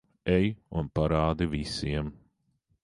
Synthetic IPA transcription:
ɛjunpaɾaːd̪ivisiɛm

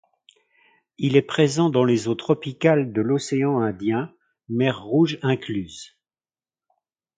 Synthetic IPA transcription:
ilɛpχezɑ̃d̪ɑ̃lezot̪χɔpikald̪əlɔseɑ̃ɛ̃d̪jɛ̃ | mɛʁːuʒɛ̃klyːz

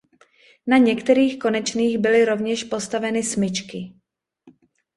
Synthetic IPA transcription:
naɲɛkt̪ɛɾiːxko̞nɛt͡ʃniːɣbɪlɪɾo̞vɲɛʃpo̞st̪avɛnɪsmɪt͡ʃkɪ

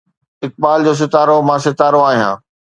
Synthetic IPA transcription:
ɪk̚ɓaːld͡ʑoːs̬ɪt̪aːɾomãsɪt̪aːɾoaːɦijãː

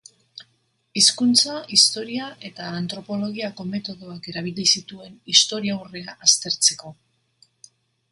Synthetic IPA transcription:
iskunt͡saist̪o̞ɾiaʔe̞t̪aːnt̪ɾo̞po̞lo̞ɣiako̞me̞t̪o̞ðo̞ake̞ɾaβ̞ilisit̪ue̞nist̪o̞ɾiawre̞aʔast̪e̞ɾt͡se̞ko̞

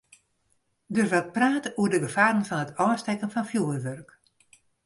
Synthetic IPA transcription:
dørʋat̚praːtəuədəɡəfaːɾənfɔnətʰɔːstɛkənfɔnfjuərʋørk

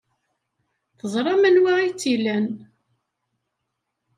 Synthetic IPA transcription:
θəzˤɾˤɑmænwaʁit͡sːilæn

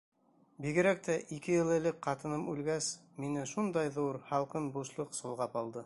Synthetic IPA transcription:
biɡɘ̆ɾæk̚t̪æʔikɘjɤ̆lˠɘ̆lɘkqɑt̪ɤ̆nɤmʉlɡæs | minɘʃund̪ɑjðuɾhɑlˠqɤnbuʃlˠɤqsŏlˠʁɑpɑlˠd̪ɤ

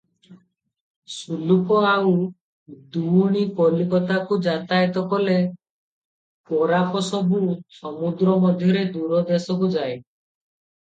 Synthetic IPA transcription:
sulukɔaw | d̪uɽ̃ikɔlikɔt̪akud͡ʒat̪ajt̪ɔkɔle | kɔɾapɔsɔbusɔmud̪ɾɔmɔd̪ʱjɔɾed̪uɾɔd̪esɔk̬ud͡ʒaj

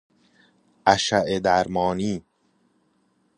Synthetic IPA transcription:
ʔæʃæʔed̪æɾmɒːniː

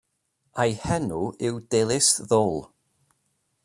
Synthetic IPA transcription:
ajhɛnuʔɪwdɛlˠɪsðɔlˠ

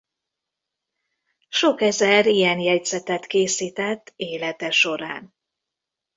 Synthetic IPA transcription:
ʃo̞kɛzɛɾijɛnjɛɟzɛt̪ɛt̪keːsiːt̪ɛt̪ːeːlɛt̪ɛʃo̞ɾa̰ːn

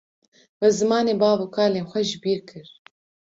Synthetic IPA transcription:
wɛzɨmɑːneːbɑːbuːkʰɑːleːnxʷɛʒɪbiːɾkʰɨɾ

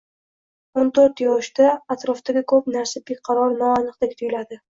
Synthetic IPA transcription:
ont̪ʰoɾt̪jɒʃd̪aːt̪ɾɒft̪aɡʲɪkʰɵpnaɾsabeqʰɑɾɒɾnɒanɨq̚d̪akʲt̪ʰʊjlad̪ɪ

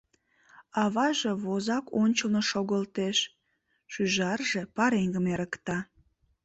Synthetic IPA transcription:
ɑβɑʒe̽βozɑkʰonʲt͡ɕəlnoʃoɣəlt̪eʃ | ʃyʒɑrʒe̽pɑɾeŋɡəmeɾəkt̪ɑ

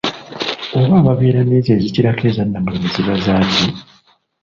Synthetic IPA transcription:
oβaːβaβeːɾaneːzeːziciɾake̞ːzanːamemiziβazaːci

